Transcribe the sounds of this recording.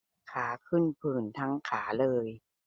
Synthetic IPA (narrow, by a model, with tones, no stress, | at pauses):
kʰaː˩˦kʰɯ˥˩npʰɯː˨˩nt̪ʰa˦˥ŋkʰaː˩˦lɤː˧j